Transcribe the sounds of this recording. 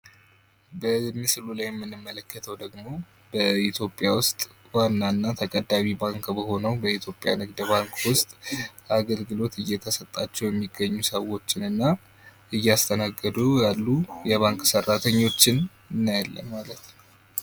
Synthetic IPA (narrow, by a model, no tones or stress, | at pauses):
bəmɨsɨlulajɛmːɨnːɨmːələkːət̪ʰəwd̪əɡmo̞ | bəit̪ʰjo̞pʼɪjawʊst̪ʼ | wanːanːat̪ʰəkʼəd̪ːaβibaŋkbəho̞nəwbəit̪ʰjo̞pʼːja̰nɨɡd̪baŋkʰʼwʊst̪ʼaɡəlɡɨlo̞t̪ɨjːɛt̪ʰəsət̪ʼːat͡ʃːɛwjɛmːiɡːəɲːusəwo̞t͡ʃːɪnɨnːa | ɨjːast̪ʰənaɡːəd̪ujalːujɛβaŋkʼsərːat̪ʰəɲːo̞t͡ʃːɪn | ɨnːajɛlːə̰mːalət̪n